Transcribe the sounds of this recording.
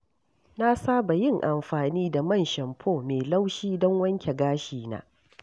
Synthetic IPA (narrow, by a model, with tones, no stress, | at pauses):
na˦saː˦ba˨jɪ˦˨ŋʔa˨mɸaː˨niː˦da˨mɐ˦˨nʃɐ˨mpʰoː˦meː˨la˦wʃiː˦dɔ˦ŋwɐ˦ŋkʲe˨ɡaː˦ʃiː˨na̰ː˦